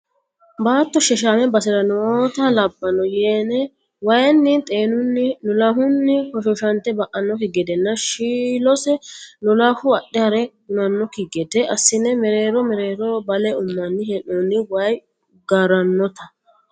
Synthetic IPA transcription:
baːt̪ːɔʃɛʃ̬aːmɛbɐsɪɾɐnɔoːt̪ɐlɐbːɐnɔjenɛ | wɐjnːɪnt̪ʼe̞ːnʊnːɪnɔlɐɦʊnːɪkɔʃɔʃɐnt̪ɛbɐʔɐnːɔkɪɡɛd̪ɛnːɐʃiːlɔsɛnʊlahʊɐɗɛɐɾɛhʊnɐnːɔkɪɡɛd̪ɛʔɐsːɪnɛmɛɾe̞ːɾɔmɛɾeːɾɔbɐlɛʊmːɐnːɪhɛnɔnːɪwɐj | ɡɐɾɐnːɔt̪ɐ

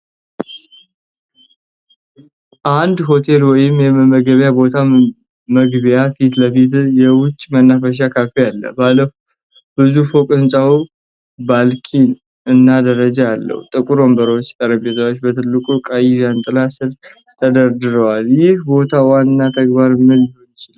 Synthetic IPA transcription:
ʔand̪ɦo̞t̪ʰe̞lwɔjɪmjɛməɡəβjabo̞t̪ʰa | məɡbjafit̪ləfit̪jɛwʊt͡ʃʼːmənːafəʃ̬akʰafijalːə̰balːəfu | bɨzufokʼɨnt͡ʃʼawu | balkʰin | ɨnːad̪əɾəd͡ʒaalːə̰wt̪ʼɨkʼuɾombəɾəwot͡ʃːt̪ʼəɾəbet̪ʰawot͡ʃːbət̪ʰɨlːɨkʼukʼajjant̪ʼɨlasɨɾ | t̪ʰəd̪əɾd̪ɨɾəwaljɪhbo̞t̪ʰawanːat̪ʰəɡbaɾɨmːɨlɪhonjɪt͡ʃɪlw

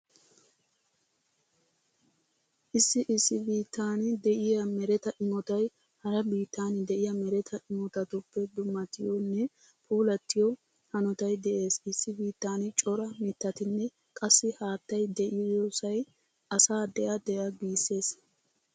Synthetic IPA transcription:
ʔɪsːɪʔɪsːɪbiːt̪ːaːnɪd̪ɛʔɪjɐmɛɾɛt̪ɐʔɪmɔt̪ɐj | hɐɾɐbiːt̪ːaːnɪd̪ɛʔɪjɐmɛɾɛt̪ʰɐʔɪmɔt̪ɐt̪ʊpːɛd̪ʊmːɐt̪ɪjɔnːɛ | pʰuːlɐt̪ːɪjɔ | hɐnɔt̪ɐjd̪ɛʔe̞ːsɪsːɪbiːt̪ːaːnɪt͡ʃʼɔɾɐmɪt̪ːɐt̪ɪnːɛ | kʼɐsːɪhaːt̪ːɐjd̪ɛʔɪjjɔsɐj | ɐsaːd̪ɛʔɐd̪ɛjɐbiːsːe̞ːs

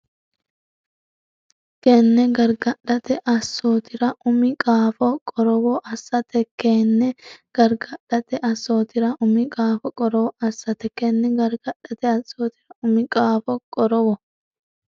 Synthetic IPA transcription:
kɛnːɛɡɐɾɡɐᶑɐt̪ɛʔɐsːoːt̪ɪɾɐʔʊmɪkʼaːfɔkʼɔɾɔwɔʔɐsːɐt̪ɛkːeːnːɛɡ̥ɐɾɡɐᶑɐt̪ɛʔɐsːoːt̪ɪɾɐʔʊmɪkʼaːfɔkʼɔɾɔwɔɐsːɐt̪ɛkːɛnːɛɡɐɾɡɐᶑɐt̪ɛɐsoːt̪ɪɾɐʊmɪkʼaːfɔkʼɔɾɔwɔ

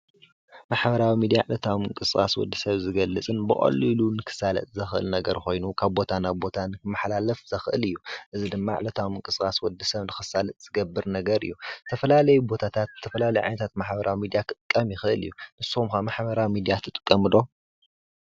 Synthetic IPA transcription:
maħbɐɾawimid̪ijaʕlɐt̪ʰawmɨŋkʼɨsɨxʼa̰swɔ̰d̪ːisɐβzɨɡɐlːɨt͡sʼɨnbɨχʼɐ̰lːilunɨkʰɨ̥salɐ̰t̪ʼzɐxɨʔɨ̰lnɐɡɐɾko̞jnukʰaβbo̞t̪ʰanaβbo̞t̪ʰanɨkɨmːɐħlalɐfz̥ɐxʔɨ̰lɨjːuʔɨzid̪ɨmːaʕlɐt̪ʰawmɨŋkʼɨskʼaswɔd̪ːisɐβnɨxɨsalɐt̪ʼz̥ɨɡɐbːɨɾnɐɡɐɾɨ̰jːut̪ʰɐfɐlalɐjubo̞t̪ʰat̪ʰat̪ʰːɐfɐlalɐjʕa̰nɐt̪ʰat̪maħbɐɾʔawimid̪ijakʰɨt̪ʼɨkʼːɐmjɪxɨʔɨlɨ̰jːunɨsmkamaħbɐɾawimid̪ijat̪ʰɨt̪ʼɨ̥kʼːɐmɨlo̞

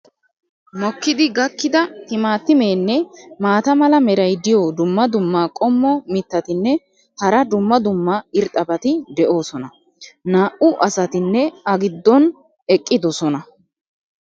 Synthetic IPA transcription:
mɔkːɪd̪ɪɡɐkːɪd̪ɐh̪ɪmaːt̪ːɪme̞ːnːɛmaːt̪ɐmɐlɐmɛɾɐjd̪ɪjoːd̪ʊmːɐd̪ʊmːaːkʼɔmːɔmɪt̪ːɐt̪ɪnːɛ | hɐɾɐd̪ʊmːɐd̪ʊmːaɪɾt̪ʼːɐbɐt̪ɪd̪ɛʔo̞ːsɔnɐ | naːʔʊʔɐsɐt̪ɪnːɛɐɡɪd̪ːɔn | ɛkʼːɪd̪ɔsɔnɐ

